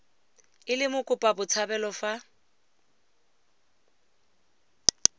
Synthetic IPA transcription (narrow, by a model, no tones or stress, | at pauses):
ɪlɪmʊkʼʊpʼabʊt͡sʰabɛlɔfa